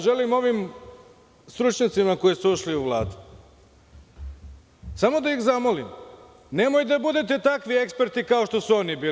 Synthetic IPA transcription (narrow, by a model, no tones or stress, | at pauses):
ʒe̞limo̞ʋim | st̪ɾut͡ʃɲat̪simako̞jisuuʃliuʋlˠaːd̪u | samo̞d̪aixzamo̞lim | ne̞mo̞jd̪abud̪e̞t̪e̞t̪akʋie̞kspe̞ɾt̪ikao̞ʃt̪o̞suo̞nibiː